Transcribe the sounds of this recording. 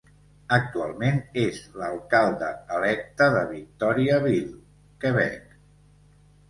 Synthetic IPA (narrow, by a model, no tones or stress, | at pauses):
ək̚t̪ualˠmenezləlˠkalˠd̪əːlɛk̚t̪əðəβik̚t̪ɔɾiəβilˠ | kəβɛ̰k